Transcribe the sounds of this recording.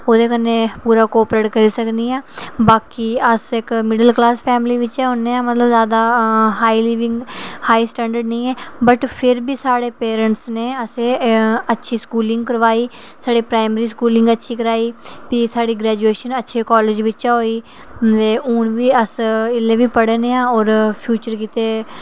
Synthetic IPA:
oːd̪eːkənːeːpuːɾaːkoːpɾeʈkəɾiːsəkniːaːbaːkiːəsɪkmɪɖəlklaːspʰɛːmliːʋɪt͡ʃɛːʊnːeːãːmət̪ləbzjaːd̪aːɦaːiːliːʋɪ̃ŋɡhaːiːsʈɛ̃ːɳɖəɾɖnəĩːɛːbəʈpʰɪɾbiːsaːɽeːpeːɾəɳʈsneːəseːətːʃʰiːskuːlɪ̃ŋɡkəɾʋaːiː | saːɖeːpɾaːɪmeɾiːskuːlɪ̃ŋɡətːʃʰiːkəɾaːiːpiːsaːɽiːɡɾɛːd͡ʒueːʃənətːʃʰeːkɔːleːd͡ʒʋɪtt͡ʃaɦoːiː | t̪eːuːnʋiːəsɪlːeːʋiːpəɽeːneːãːɔːɾpʰjuːt͡ʃəɾkiːt̪eː

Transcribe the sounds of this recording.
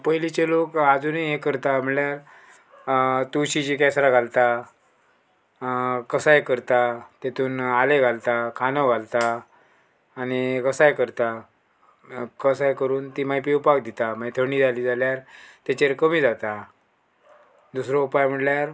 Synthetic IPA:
pəɦilit͡ɕelokad͡zuniɦekəɾt̪am̤əɽljaɾ | t̪uɕid͡ʑiːkɛsɾaɡʱalt̪a | kəsajekəɾt̪at̪et̪ʰuːnaleɡʱalt̪akʰanəɡʱalt̪a | ñikəsaekəɾt̪a | kəsajkəɾuːnt̪iːmajpiupakd̪it̪amat̪ʰəɳ̃iːd͡zʱaliːd͡zaljaɾt̪at͡ɕeɾkəmiːd͡zat̪a | d̪usɾoupajm̤əɽljaɾ

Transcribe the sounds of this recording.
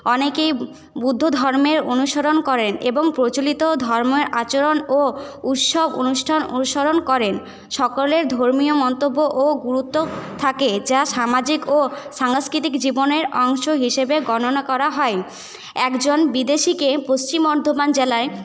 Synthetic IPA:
ɔnekej | bud̪ʱːod̪ʱɔɾmeɾonuʃoɾonkɔɾeneboŋpɾot͡ɕolit̪od̪ʱɔɾmeɾat͡ɕoɾonout̪ʃobo̰nuʃʈʰano̰uʃoɾonkɔɾen | ʃɔkoleɾd̪ʱoɾmiomɔnt̪obːoʔoɡuɾut̪ːot̪ʰaked͡ʑaʃamad͡ʑikoʃaŋskɾit̪ikd͡ʑiboneɾɔŋʃoɦiʃebeɡɔnonakɔɾaɦɔe | ɛkd͡ʑonbid̪eʃikepost͡ɕimɔɾd̪ʱomand͡ʑelae

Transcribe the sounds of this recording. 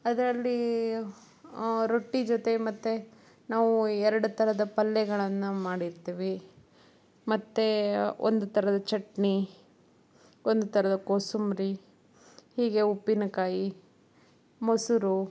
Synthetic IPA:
ɐd̪ɾɐlːi | ɾoʈːid͡ʒot̪e̞mɐt̪ːe | naːʋuɛɾɐɽut̪ʰɐɾɐd̪ɐpɐlːɛɡɐɭɐnːumaːɽiɾt̪iːʋi | mɐt̪ːeo̰nd̪ut̪ʰɐɾɐd̪ɐt͡ʃɐʈɳi | ond̪ut̪ʰɐɾɐd̪ɐkoːsumɾi | hiːɡe̞upːinɐkaːji | mosuɾu

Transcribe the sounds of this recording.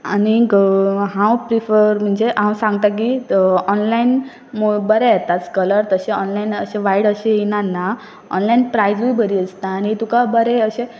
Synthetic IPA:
a̰niɡɦãwpɾifəɾm̤əɳd͡zeʔãwsãŋɡ̚t̪ak̬iɔnlain | mobəɾejet̪at͡skələɾt̪əɕeɔnlainəɕeʋaiɽəɕeinanːa | ɔ̰nlainpɾajd͡zuibʱəɾiəst̪aːnit̪ukabəɾeəɕe

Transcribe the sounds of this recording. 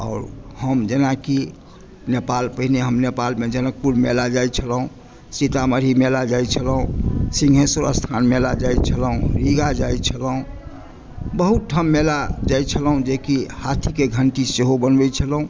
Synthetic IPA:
ɔ̰ʊɾhəmd͡ʒənaki | nepalpəɦineɦəmnepalmed͡ʒənək̚puɾmḛlad͡ʒajt͡ʃʰəlɦũ | sit̪aməɾimelad͡ʒajt͡ʃʰəlɦũsĩŋɡʱɦesuɾə̰st̪ʰanmelad͡ʒajt͡ʃʰələɦũɾiɡad͡ʒajt͡ʃʰəlɦũ | bəɦut̪̚ʈʰːəmːelad͡ʒajt͡ʃʰəlɦũd͡ʒekihat̪ʰikeɡʱəɳʈiseɦobənbɛt͡ʃʰəlɦũ

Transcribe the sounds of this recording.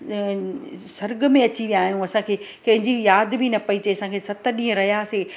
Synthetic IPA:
sɐɾɡəmẽɐt͡ɕiʋijaːɦijũɐsãkʰeːkɐ̃ɦɪ̃ɲd͡ʑijaːd̪bʱinɐpɐit͡ɕɐiɐsãkʰeːsɐt̪ə̆ɗĩːə̃ɾɐɦijaseː

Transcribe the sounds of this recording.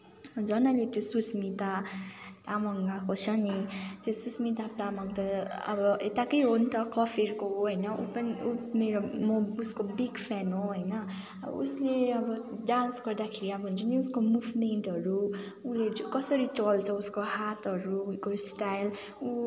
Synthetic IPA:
d͡zʌnʌlet̪josusmit̪at̪amʌŋɡakot͡sʰʌnit̪josusmit̪at̪amaŋt̪ʌʌ̰bʌet̪akʌjɦont̪ʰʌkʌpʰerkoɦoɦʌjnʌṵpʌniumeɾomouskobiɡpʰɛnɦoɦʌjnʌ̰ | ṵsleʌbʌɖãnsɡʌrd̪akʰeɾiabʌnt͡sʰʌniuskomubmenʈɦʌɾu | ulekʌsʌɾit͡sʌlt͡sʰʌuskohat̪ʌɾuːkosʈajl | u

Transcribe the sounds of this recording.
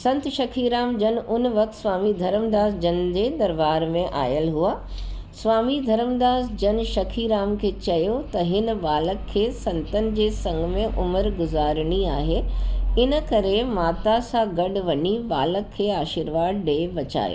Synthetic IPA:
sɐ̃nt̪ʃɐkʰiːɾaːmd͡ʑɐnʔʊnʋɐk̚t̪sʋaːmid̪ʱɐɾəmd̪aːzd͡ʑɐnd͡ʑeːd̪ɐɾbaːɾmẽʔa̰ːjəlɦuaː | sʋaːmid̪ʱɐɾəmd̪aːzd͡ʑɐnʃɐkʰiɾaːmkʰeːt͡ɕɐjot̪ɐɦɪn̆ʋaːləkʰːeːsɐ̃nt̪ənɪ̆d͡ʑeːsɐ̃ŋɡmẽʔʊməɾɡʊzaːɾɪɽ̃iaːɦeɪnə̆kɐɾemaːt̪asãɡɐɖ̆ʋɐɲiʋaːləkʰːeːaːʃiːɾʋaːd̪ɖeːʋɐt͡ɕa̰ːjo̰ː

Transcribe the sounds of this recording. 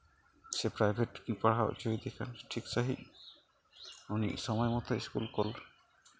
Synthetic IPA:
sepɾajbʱeʈkipaɽ̤ao̰d͡ʒoid̪ekʰanʈʰikt͡ʃaɦḭ | unḭsɔmɔjemɔt̪ʰɔiskṵlkol

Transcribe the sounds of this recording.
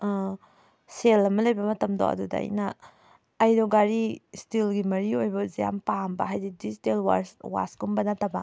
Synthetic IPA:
selɐmɐlɐjbɐmɐtɐmdo̰ʔɐ̰dudɐ̰ɐ̰jnɐː | jdɔɡaɾistilɡimɐɾiojbɐzija̰mpambɐ̰ɦajdidistelwa̰ɾswa̰sɡumbɐnɐtɐbɐ

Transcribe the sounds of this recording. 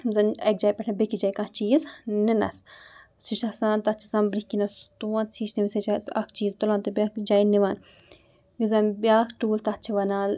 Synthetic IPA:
mzɐnɐk̚d͡ʒaːjpʲɐʈʰnɐbekid͡ʒaːjkãt͡ʃiːzninɐ̰ssuʃɐsãːnt̪ɐt͡ʃʰi̥sɐmbɾikːinɐst̪uɐnsʰiːt͡ʃniʋisɐt͡ʃʰaɐ̰kʰt͡ʃiːzt̪olaːnt̪ɨbʲakd͡ʒaːjniʋan | juzɐnbʲaːkʈuːlt̪ɐt͡ʃʰiʋɐnaːl

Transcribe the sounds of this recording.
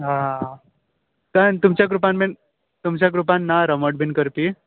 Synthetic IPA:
ɦã | t̪ənt̪umt͡ɕjakɾupanmen | t̪umt͡ɕjakɾupanːaɾəməʈ̚bʱinkəɾpi

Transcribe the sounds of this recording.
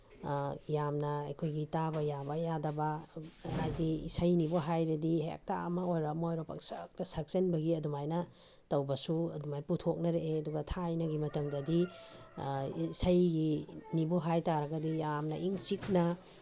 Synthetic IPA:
jamnɐɐjkʰojɡitabɐjabɐjadɐbɐajdiḭsɐjniboɦajɾɐdiɦḛk̚ta̰ɐmɐojɾɐmojɾopɐ̰k̚sɐk̚tɐsɐɾk̚t͡ʃɐnbɐɡiɐdumajnɐ | tɐwbɐsuɐ̰dumajputʰok̚nɐɾeʔeɐduɡɐtʰajnɐɡimɐtɐmdɐdi | sɐjɡiniboɦajtaɾɐɡɐdijamnɐʔiŋt͡ʃik̚nɐ

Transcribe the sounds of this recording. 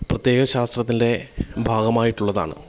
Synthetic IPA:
prɐt̪je̞ːɣɐɕaːst̪rɐt̪ːinde̞bʱaːɡɐmaːjiʈːuɭːɐða̰ːɳɨ̰

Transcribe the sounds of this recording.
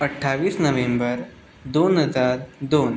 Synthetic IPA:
əʈʰːaʋiːsnəʋembəɾ | d̪onɦəd͡zaɾd̪oːn

